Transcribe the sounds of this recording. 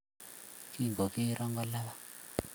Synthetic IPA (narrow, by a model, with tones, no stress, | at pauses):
ki˦˨ŋɡo˨ki˦ɾʔɔ˦ŋɡɔ˦la˦βa˦